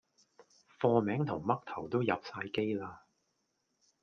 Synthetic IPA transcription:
fɔː˧mɛː˨˥ŋt̪ʰʊ˨˩ŋmɐ˥k̚t̪ʰɐ˨˩wt̪o˥wjɐ˨w̚saː˧jke˥jlaː˧

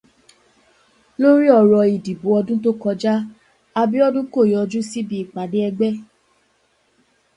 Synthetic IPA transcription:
lo˦ɾi˦ɔ˦˧ɾɔ˧i˨di˨bo˨˦ɔ˧dũ˦to˦kɔ˧d͡ʒa˦ | a˧bi˦ɔ˦dũ˦ko˦˨jɔ˧d͡ʒu˦si˦bi˧˦i˦˨k͡pa˨˦de˨˦ɛ˧ɡ͡bɛ˦

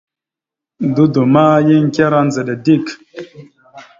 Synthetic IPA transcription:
du˦du˨ma˦ji˦ŋ˦kʲa˦ɾa˦nzə˨ɗə˨di˦k

